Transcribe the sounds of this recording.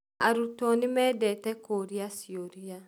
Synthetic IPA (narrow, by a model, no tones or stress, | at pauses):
a̰ɾutɔnimɛdɛtɛkoɾiasioɾia